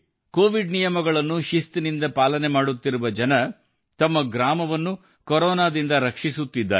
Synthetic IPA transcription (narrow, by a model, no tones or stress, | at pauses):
koːʋiɖnijɐmɐɡɐɭɐnːuʃist̪inind̪ɐpaːlɐnemaːɽut̪ːiɾuʋɐd͡ʒɐnɐ | t̪ɐmːɐɡɾaːmɐʋɐnːu | kɔɾɔːnaːd̪ind̪ɐɾɐkʂisut̪ːid̪ːaː